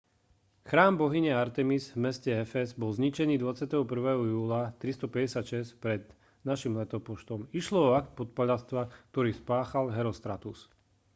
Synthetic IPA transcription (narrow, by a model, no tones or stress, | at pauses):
xɾaːmbɔɦiɲɛaɾt̪ɛmizvmɛscɛɛfɛzbɔlzɲit͡ʃɛniːd̪ʋat͡sɪat̪ɛɦɔpr̩ʋɛːɦɔjuːlat̪ɾist̪ɔpɛɟɛsjat̪ʃɛscpɾɛd̪ | naʃimlɛt̪ɔpɔʃt̪ɔmiʃlɔɔak̚t̪̚pɔt̪̚paʎast̪ʋak̚t̪ɔɾiːspaːxalɦɛɾɔst̪ɾat̪us